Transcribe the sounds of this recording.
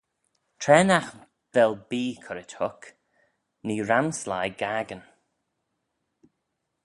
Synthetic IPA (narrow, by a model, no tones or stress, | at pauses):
tʰɾɛːnax | ðɛlbiːkʰʊɾɪthʊk | niːɾamslajɡaɡən